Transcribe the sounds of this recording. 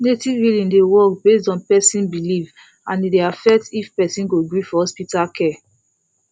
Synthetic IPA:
netivɹilĩndewɔkbestɔ̃npɛsĩnbiliv | ãnideafɛk̚tifpɛsĩnɡoɡɹifɔhɔspitakʰɛ

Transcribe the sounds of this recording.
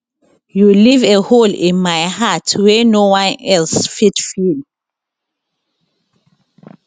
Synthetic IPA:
juliveholḭ̃nmajhatʰwɛnowãnɛlsfitfil

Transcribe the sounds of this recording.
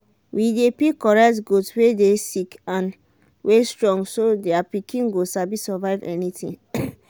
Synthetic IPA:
widepikɔɹɛktɡudswedesikãn | wʔestɹɔ̃ŋɡsodeapikĩnɡosabisɔvaɪvɛ̰nitḭ̃ŋ

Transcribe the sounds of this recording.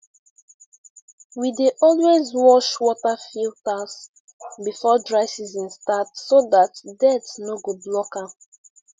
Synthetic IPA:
wideʔɔlwezwɔʃwɔtafiltas | bifɔdɹaɪsizĩnstatsoðatdɛtnoɡoblɔkã

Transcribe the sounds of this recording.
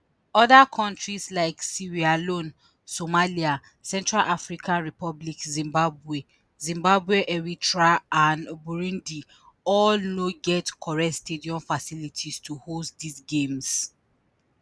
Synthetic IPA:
ɔðakʰɔ̃ntɹislaɪksiɹialõn | somalia | sɛ̃ntɹalʔafɹikʰãnɹipɔblikzĩmbabwe | zĩmbabweʔɛɹitɹaʔãnbuɹũndi | ɔlnoɡɛtkʰɔɹɛtstediɔ̃ɱfasilitʰistʰuhostdisɡẽms

